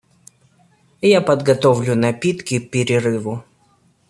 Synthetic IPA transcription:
japəd̪ɡɐt̪ovlʲʊnɐpʲit̪kʲɪpʲɪɾʲɪɾɨvʊ

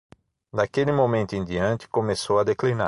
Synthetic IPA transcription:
d̪akelɪmomẽnt̪ʊẽd̪iɐ̃nt͡ʃ̪ɪ̥komesowɐd̪eklina

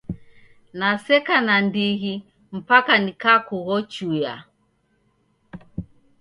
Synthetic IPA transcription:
nasɛkanandiɣi | m̩pakanikaːkuɣɔt͡ʃuja̰

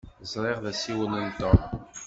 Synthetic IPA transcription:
zˤɾˤeʁðæsiwənənt̪ɑm

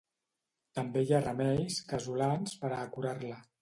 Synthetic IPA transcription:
t̪əmbejarəmɛʎskəzulanspəɾaːkuɾarlə

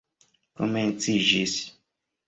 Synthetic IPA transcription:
ko̰ment͡siʒis

